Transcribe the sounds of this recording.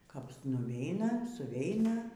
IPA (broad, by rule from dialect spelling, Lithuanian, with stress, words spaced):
kɐp nʊˈʋʲɛɪnɐ sʊˈʋʲɛɪnɐ